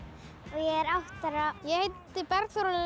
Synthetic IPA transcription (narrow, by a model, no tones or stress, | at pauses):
ɔɣjɛɛɾaht̪aɾajɛhejt̪ː | ɪpɛɾθɔɾɔ